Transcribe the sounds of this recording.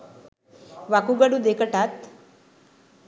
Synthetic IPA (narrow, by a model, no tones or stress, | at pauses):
ʋakuɡəɽũd̪ekəʈat̪